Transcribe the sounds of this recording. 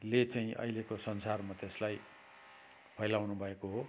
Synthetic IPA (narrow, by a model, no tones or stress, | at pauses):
let͡saĩʔʌ̰jlekosʌnsarmʌt̪eslaj | pʰʌjlawnubʱʌekoɦo